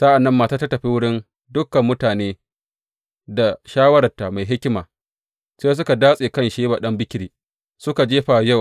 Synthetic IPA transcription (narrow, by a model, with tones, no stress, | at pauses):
sa˦ʔa˨nːɐ˦mːaː˨taː˦ta˦tɐ˨ɸi˦wʊ˦ɽɪ˦n | dʊ˦kːɐ˨mːʊ˦taː˨neː˦ | da˨ʃaː˦wɐ˦ɾɐ˨rta˨ma˨jɦɪ˦kʲɪ˦maː˨ | seː˦s̬ʊ˦ka˨daː˦sʼeː˨kɐ˦nʃeː˦ba˨ɗɐ˦mbɪ˦kʲɪ˦ɾiː˨ | sʊ˦ka˨d͡ʒeː˦ɸa˨jɐ˦˨w